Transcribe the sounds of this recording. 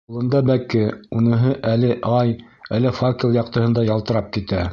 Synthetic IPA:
ulˠɤ̆nd̪ɑbækɘunɤ̆ɦɤʔælɘʔɑj | ælɘfakʲilˠjɑq̚t̪ɤ̆hɤnd̪ɑjɑlˠt̪ɤ̆ɾɑp̚kit̪æ

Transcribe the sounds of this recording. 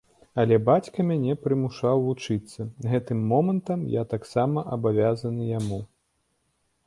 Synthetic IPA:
ɐlʲɛbat͡sʲkɐmʲanʲɛpɾɨmuʂawvut͡ʂɨt̪sːɐɣɛt̪ɨmːɔmɐnt̪ɐmjat̪aksamɐʔɐbavʲazɐnɨjamu

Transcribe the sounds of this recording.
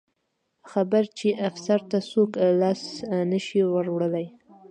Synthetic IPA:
xabaɾt͡ʃeʔafsaɾt̪asoklɑsnəʃiwəɾwɽəlaj

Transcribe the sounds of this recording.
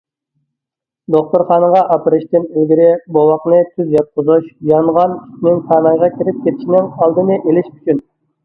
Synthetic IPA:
d̪oχt̪uɾχɑːnəʁɑʔɑpɨɾɨʃt̪ɪnelɡʲiɾɪbowɑqnɨt̪ʰyzjɑt̪̚qʊzuʃjɑɴʁɑny̥t͡ʃnɪŋsʰɑːnəʁʁɑkʲʰiɾɪp̚kʲʰet̪ʰɪʃinɪŋɑlˠd̪ɨnɨʔelɪʃmyt͡ʃʰyn

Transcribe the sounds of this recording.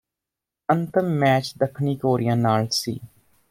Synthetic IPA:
ənt̪əmːɛːt͡ʃd̪əkʰniːkoːɾijãːnaːlsḭː

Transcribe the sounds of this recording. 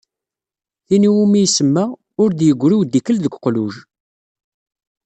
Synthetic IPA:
θiniwumijsəmːæ | ʊɾd̪jəɡʷːɾuwd̪ːikəlðəɡʷqluʒ

